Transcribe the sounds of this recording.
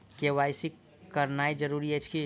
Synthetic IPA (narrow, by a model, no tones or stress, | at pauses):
keʋaɪsik | kəɾnaid͡ʒəɾuɾiɦɛt͡ʃʰki